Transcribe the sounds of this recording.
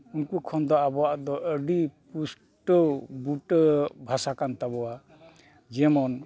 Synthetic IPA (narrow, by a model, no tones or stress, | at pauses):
unkukʰɔnd̪ɔabɔwaʔd̪ɔʔəɖipus | ʈɔbuʈəbʱasakant̪abɔwa | d͡ʒɛmɔn